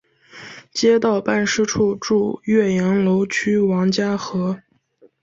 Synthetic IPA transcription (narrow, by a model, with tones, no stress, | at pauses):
t͡ɕjɛ˥t̪ɑ˥˩˧ʊpa˥˩nʂɻ̩˥ʈ͡ʂʰu˥˧ʈ͡ʂu˥˧ɥɛ˥˩jɛ˧˥nlo˧˥ʊt͡ɕʰy˥wɑ˧˥ŋt͡ɕja˥xɤ˧˥